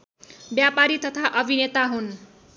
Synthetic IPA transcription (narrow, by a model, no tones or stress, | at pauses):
bjapaɾit̪ʌt̪ʰaʔʌbʱinet̪aɦun